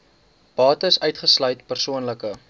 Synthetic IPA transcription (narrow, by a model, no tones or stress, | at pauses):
pɑːtəsœɥtχəslœɥtpərsuənləkə